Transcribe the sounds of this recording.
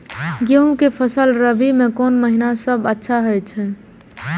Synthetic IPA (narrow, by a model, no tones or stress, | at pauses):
ɡeũkepʰəsəlɾəbimẽkɔnməɦinasəbətːʃʰaɦəjt͡ʃʰɛ